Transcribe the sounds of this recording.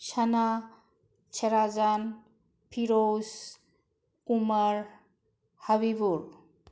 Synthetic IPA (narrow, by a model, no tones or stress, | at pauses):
ʃana | t͡ʃʰɛɾazan | pʰiɾos | umaɹ | haβibuɹ